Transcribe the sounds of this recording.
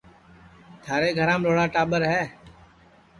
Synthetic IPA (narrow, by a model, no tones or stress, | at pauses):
t̪ʰaːɾeːɡʱəɾãːmɾoːɽaːʈaːɓəɾɦɛː